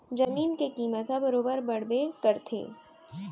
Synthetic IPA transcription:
d͡ʒɐmiːnkekiːmət̪ɦãbɐɾoːbəɾbɐɽbekɐɾt̪ʰḛː

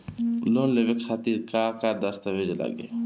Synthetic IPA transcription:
loːnleʋekxaːt̪iːɾkaːkaːɾd̪ɐst̪aʋed͡ʒla̰ɡḛ

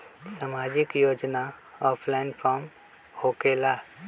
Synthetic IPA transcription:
saːmaːd͡ʒɪkjoːd͡ʒnaɔːpʰlaɪnpʰaːɾm | hoːkeːla

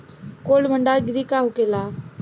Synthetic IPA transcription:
kolməɳɖaɡɾikaɦukela

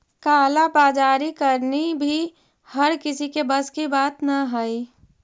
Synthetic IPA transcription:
kaːlabaːd͡ʒaːɾikɐɾnibʱi | hɐɾkɪsikebɐskibaːt̪naɦai

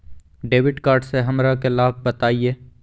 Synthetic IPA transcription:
ɖeːʋɪɖkaːɾɖseɦɐmɾakelaːb̚ʱbɐt̪aːieː

